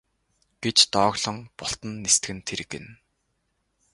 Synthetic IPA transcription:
ɡ̥et͡ɕt̪ɔːɣɮɞ̆ŋpɔɬt̪ə̆nːest̪ɡɘ̆nt̪ʰeɾɘ̆kɘ̰̆n

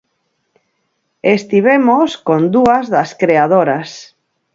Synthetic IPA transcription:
est̪iβ̞emoskond̪uazðaskɾeað̞oɾas

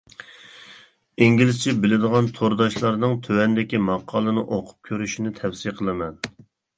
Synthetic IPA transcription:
iŋɡʲilɪst͡ʃʰibɪlɪd̪əʁɑnt̪ʰoɾd̪ɑʃlˠɑɾnɨŋt̪ʰøwɛnd̪ɪkʲimɑqʰːɑːlˠɨnɨʔoqʰʊ̥p̚kʲʰøɾyʃinɪt̪ʰɛfsijqʰəlˠɨmɛn

